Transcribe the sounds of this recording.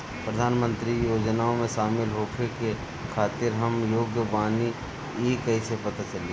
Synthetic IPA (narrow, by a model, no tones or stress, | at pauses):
pɾəd̪ʱaːnmə̃nt̪ɾijoːd͡ʒnaõmẽʃaːmɪlɦoːpʰeke | kʰaːt̪ɪɾɦɐmjoːɡjəʋaːni | eːkɐisepɐt̪at͡ʃɐli